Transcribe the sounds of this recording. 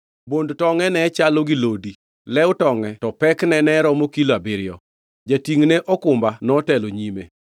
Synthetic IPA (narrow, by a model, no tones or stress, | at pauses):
bondtɔŋɛnɛt͡ʃaloɡɪlodi | lɛʊtɔŋɛtɔpɛknɛnɛɾɔmokiloabɪɾɪjɔ̰ | d͡ʒatiŋneʔɔkʊmbanɔtɛloɲimḛ